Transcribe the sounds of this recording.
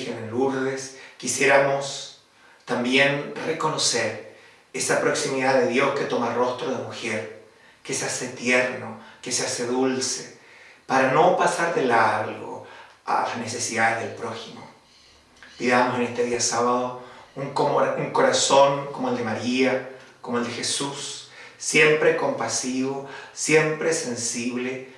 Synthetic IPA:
xeneluɾðe̞skisje̞ɾamo̞s | t̪ambje̞nreko̞no̞seɾ | esapɾo̞ksimiðaðe̞ðjo̞ske̞t̪o̞maro̞st̪ɾoðemuxeɾ | keseaset̪jeɾno̞keseaseðulse | paɾano̞pasaɾðelalɣo̰ | a̰la̰ne̞se̞siðaðeɦðelpɾo̞ximo̰ | piðamose̞nest̪e̞ðiasaβaðouŋuŋko̞ɾaso̞ŋkomoeld̪emaɾiakomoeld̪e̞xe̞susː | je̞mpɾeko̞mpasiβosje̞mpɾese̞nsiβle̞

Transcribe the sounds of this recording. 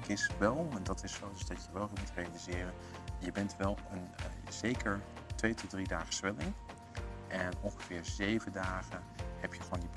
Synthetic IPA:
kɪsʋɛlˠɛndɑtɪsowdəsdɑtjəʋɛlˠɦɪːɹmutrejalizɪːrən | jəbɛntʋɛlˠənz̥ejkəɹ | tʋejtɔdridaːχə̥sʋɛlˠɪn | ʔɛnɔnχəv̥ɪːɹzejvəndaːχə | hɛpjəχoːndib

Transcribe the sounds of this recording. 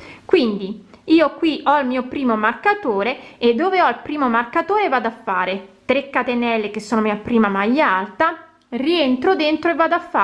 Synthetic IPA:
kwind̪i | iːokwiʔɔilmiːopɾiːmomarkat̪oːɾeed̪ːoːveɔilpɾiːmomarkat̪oːɾevaːd̪afːaːɾet̪ɾekːat̪enɛlːekesːoːnomiːapɾiːmamajːaalt̪a | rient̪ɾod̪ent̪ɾoevːaːd̪afːa

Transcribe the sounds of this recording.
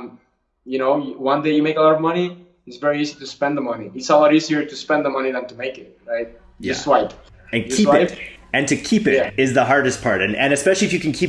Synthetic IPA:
m | jɨñoʊjwʌ̃ndeɪjɨmeɪkəlɔɾʌvmʌni | ɨtsvɛɹiiziɾɨspɛ̃nðəmʌniɨtsəlˠɔɾiziə˞ɾɨspɛ̃nðəmʌniðə̃ntumeɪkɪt̚ɹaɪt̚ | jɨswaɪp | ɨ̃nkʰiwɪpɨ̃ntʰɨkʰipɪɾæɪzðəɦɑɹɾɨs̚pʰɑɹɾⁿɨ̃n̩ɨ̰̃nɨspɛʃl̩ˠiɨfjɨkʰɨ̃n̩kʰi

